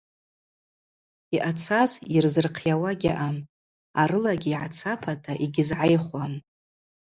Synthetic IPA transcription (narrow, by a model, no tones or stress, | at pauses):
iʔat͡sʰazirzɨrqʰjawaɡʲaʔam | aɾɨlaɡʲiːʕat͡sʰapʰatʰaʔiɡʲɪzʕajχwam